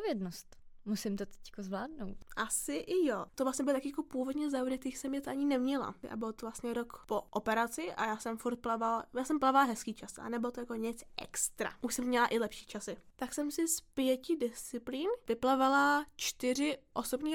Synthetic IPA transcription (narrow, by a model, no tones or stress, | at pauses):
vjɛdnost̪musɪmt̪ot̪ɛ̥ckozvlaːdnowt̪ʔasɪʔɪjot̪ovlast̪ɲɛbɪlt̪akɪjakopuːvodɲɛzaːɾɛt̪ixsɛmɲɛt̪aɲɪnɛmɲɛla̰ʔa̰bɪlot̪ovlastɲɛɾokpoʔopɛɾat͡sɪʔa̰jaːsɛmfuɾt̪̚plavaljaːsɛmplavalɦɛskiːt͡ʃasʔa̰nɛbɪlot̪ojakoɲɪt͡sʔɛ̰kst̪ɾa̰ʔuʃsɛmːɲɛlaʔɪlɛpʃiːt͡ʃasɪt̪aksɛmsɪspjɛcɪdɪst͡sɪpliːnvɪplavalat͡ʃt̪ɪrɪʔo̞sobɲiː